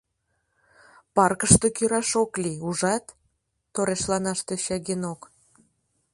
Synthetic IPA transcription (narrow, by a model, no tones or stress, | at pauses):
pɑrkəʃt̪okyɾɑʃokliuʒɑt̪ː | oɾeʃlɑnɑʃt̪eɕɑɣenok